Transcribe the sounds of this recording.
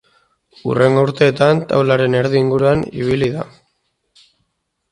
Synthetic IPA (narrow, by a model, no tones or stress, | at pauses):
ṵre̞ŋɡo̞uɾt̪e̞ːt̪ant̪ʰa̰wlaɾe̞ne̞ɾðiːŋɡuɾuanḭβ̞iliða